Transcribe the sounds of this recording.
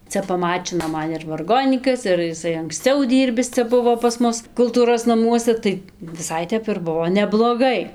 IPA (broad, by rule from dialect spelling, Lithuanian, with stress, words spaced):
ˈt͡sʲɛ pɐˈmɑːt͡ʃʲɪnoː ˈmɐn ɪr ʋɐrˈɡoːnʲiːkɐs ɪr jɪˈsɐɪ ɐŋksʲˈt͡sʲɛʊ ˈdʲiːrʲbʲɪs ˈt͡sʲɛ ˈbʊʋoː pɐs ˈmʊs kʊlˠˈtuːroːs nɐˈmuɔsʲɛ ˈtɐɪ ʋʲɪˈsɐɪ ˈtʲɛp ɪr ˈbʊʋoː nʲɛblˠoːˈɡɐɪ